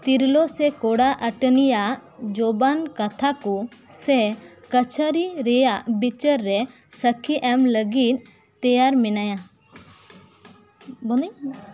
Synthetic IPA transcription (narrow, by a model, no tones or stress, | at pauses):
t̪iɾlɔsɛkɔɽaʔəʈənijaʔd͡ʒɔbankat̪ʰakɔsɛkət͡ʃʰəɾiɾɛjaʔbit͡ʃəɾːɛ | səkʰiʔɛmləɡit̪̚ | t̪ɛjaɾmɛnaja | bɔnəj